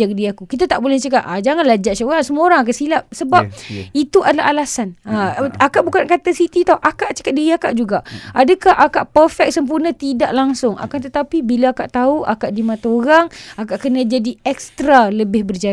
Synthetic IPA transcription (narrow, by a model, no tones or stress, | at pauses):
akdiakukit̪at̪aʔbolɛht͡ʃəkaʔ̪ad͡ʒaŋanlad͡ʒaʔt͡ʃaoɾaŋsəmuoɾaŋak̬aʔsilap̚səbapit̪uʔadalaɦalasanaakaʔbukankat̪asit̪it̪awʔakaʔt͡ʃə̥kat̪̚diɾiakaʔd͡ʒuɡaʔʔadakahʔakaʔpərfɛk̚səmp̬urnət̪idaʔlaŋsʊŋa̰kant̪ət̪apibilaakaʔt̪auʔa̰kaʔdimãt̪aoɾaŋakaʔkənãd͡ʒadiɛkst̪ɾaləbɪhbərd͡ʒa